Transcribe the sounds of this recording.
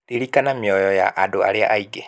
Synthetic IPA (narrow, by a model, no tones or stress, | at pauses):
tiɾikanamiɔjɔjaʔadoa̰ɾeaʔaiɡɛ